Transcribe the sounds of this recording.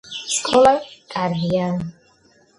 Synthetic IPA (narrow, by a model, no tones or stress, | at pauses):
skʰʼɔlakʼaɾdijan